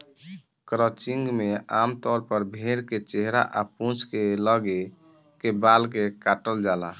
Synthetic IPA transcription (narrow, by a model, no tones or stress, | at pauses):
kɾət͡ʃiŋɡmeamt̪ɔɾpəɾbʱeɾket͡ʃeɦɾa̰ʔapũt͡ʃʰkeləɡe | kebalkekaʈəld͡ʒala